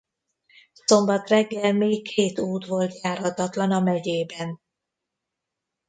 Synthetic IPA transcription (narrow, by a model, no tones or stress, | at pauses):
so̞mbɒt̪rɛɡːɛlmeːkʰeːt̪uːt̪ʋo̞lt̪jaːrhɒt̪ɒt̪lɒnɒmɛɟeːbɛn